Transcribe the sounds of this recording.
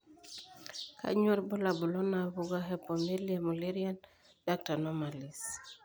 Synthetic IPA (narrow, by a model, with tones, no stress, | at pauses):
kʰa̰˦ɲwɔ˦rbɔ˦la˨bʊ˨lɔ˦na˨βu˦ɡa˦ɦɛ˦pɔ˨me˦lia˨mɔ˨li˦ɾia˦n | da˦k̚ta˨nɔ˦ma˨li˨s